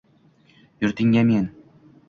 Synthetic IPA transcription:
jɵɾt̪ɪŋɡʲæmen

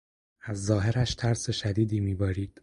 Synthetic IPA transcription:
ʔæzːɒːɦe̞ɾæʃt̪ʰæɾse̞ʃæd̪iːd̪iːmiːbɒːɾiːd̪̥

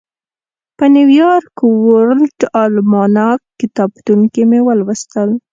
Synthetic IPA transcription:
pəniwjɑɾkwoɾlʈɑlmɑnɑkːɪt̪ɑb̚t̪uŋkemewəlwəst̪əl

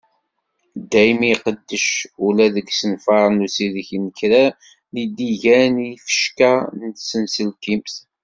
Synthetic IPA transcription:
d̪æjmiqəd̪ːəʃulæðəɡsənfɑɾˤnusiðçnəkɾæ | nid̪iʝænifə̥ʃkænət̪sənsəlkimθ

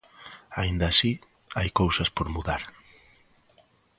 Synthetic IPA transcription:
a̰ind̪ɐaːsi | ajkowsɐspoɾmuðaɾ

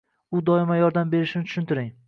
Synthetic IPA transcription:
ʊd̪ɒɪmajɒɾd̪ambe̞ɾɪʃɪnɪt̪ʰʊʃʊnt̪ʰɪɾɪŋ

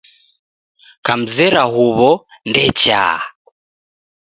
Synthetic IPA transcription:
kam̩zɛɾaɦuβɔndɛt͡ʃa̰ː

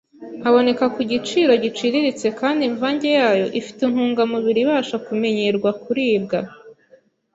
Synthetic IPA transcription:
aβo̞ne̞kakuɟit͡ʃiːɾo̞ɟit͡ʃiɾiɾit͡se̞kaːndiɱvaːɲɟe̞jaːjo̞ʔifi̥tinhuːŋɡamuβiɾiβaːʃakume̞ɲeɾɡwakuɾiːb̚ɡa

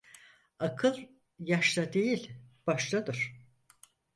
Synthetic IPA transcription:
akʰɯlˠ | jaʃlad̪e̞jilʲb̥aʃlˠad̪ɯɾ̥

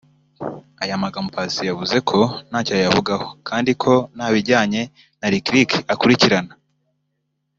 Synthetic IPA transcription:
ajamaɡampʰasijavuze̞kʰo̞naːcojavuɡaho̞kʰaːndikʰo̞naβiɾɟaːɲe̞ | naɾikɾikakuɾiciɾana

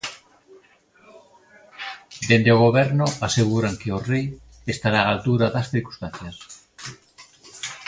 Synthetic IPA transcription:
d̪end̪eoɣ̞oβɛɾnʊaseɣuɾaŋkeorej | est̪aɾaːlt̪uɾaðɐsθiɾku̥st̪anθjɐs

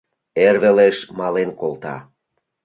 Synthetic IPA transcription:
erβeleʃmɑlenkolt̪ɑ̰

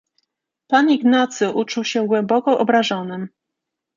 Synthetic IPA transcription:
paniɡnat̪sɘʔut͡ʂuwɕɛɡwɛmbɔkɔʔɔbɾaʐɔnɘm

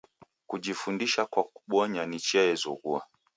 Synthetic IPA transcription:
kuʄifundiʃakwak̚u̥ɓɔɲanit͡ʃɛɛzɔɣua̰

